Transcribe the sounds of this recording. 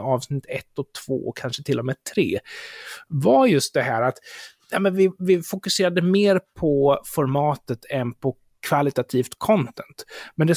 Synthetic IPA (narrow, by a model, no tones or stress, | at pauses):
ɑːvsnɪt̪ːʰɛt̪ːɔt̪ʰv̥o̰ːɔ̰kʰːanʂət̪ʰɪlːɔmeːt̪ʰɾḛː | vaɾjɵst̪̚d̪ɛɦæːɾat̪nɛːmənvɪvɪfʊkɵseːɾad̪əmeːɾpʰɔfɔɾmɑːt̪ət̪ʰɛnpʰɔ | kʰvalɪt̪at̪ʰiːft̪kʰɔnt̪ʰɛnt̪mɛnd̪ɛ